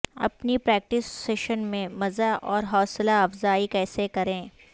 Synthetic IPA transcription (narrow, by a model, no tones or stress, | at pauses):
ɐ̰pnipɾɛːk̚ʈɪsːeːʃənmẽmɐzaʔɔːɾɦɔːslaɐfzaːikɛːsekɐɾẽː